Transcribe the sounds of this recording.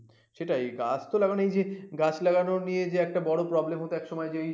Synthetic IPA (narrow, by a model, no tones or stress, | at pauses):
ʃeʈajɡa̰d͡ʑʰt̪olaɡanejd͡ʑeɡat͡ɕʰlaɡanonijed͡ʑeɛk̚ʈabɔɽopɾɔblemɦot̪eɛkʃɔmɔed͡ʑeej